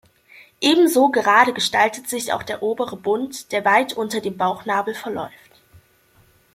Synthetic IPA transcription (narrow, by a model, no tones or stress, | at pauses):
ʔeːbm̩zoːɡəʁaːɾəɡəʃtaltətz̥ɪça̰ʊxd̥eːɐʔoːbəʁəbʊntd̥eːɐvaɪtʔʊntɐdeːmbaʊxnaːbl̩fɛɐlɔ̰ʏft